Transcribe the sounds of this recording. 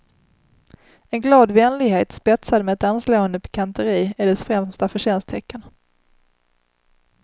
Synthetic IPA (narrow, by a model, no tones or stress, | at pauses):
ɛnɡlɑːd̪vɛnlɪɡheːt̪spɛt̪sad̪mɛɛt̪ansloːənd̪əpʰɛ̥kʰant̪əɾiːɪɖɛsfɾɛmst̪afœɕɛnst̪ʰɛkːən